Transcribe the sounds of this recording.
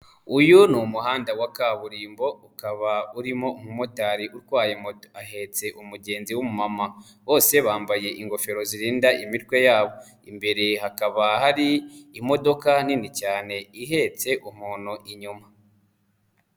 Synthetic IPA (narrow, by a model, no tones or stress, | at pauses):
ujunumuhaːndawakaβuɾiːmbo̞ukaβauɾimo̞umumotaɾiʔuɾɡwaːjemotoaɦe̞t͡se̞ʔumuɟe̞ːnziwumumama | βo̞ːse̞βaːmbaje̞ʔiŋɡo̞fe̞ɾo̞ziɾiːndaʔimitkwe̞jaːβo̞ | imbe̞ɾe̞ɦakaβahaɾiːmo̞do̞kaninicaːne̞iɦe̞t͡se̞ʔumuːn̤uʔiɲuma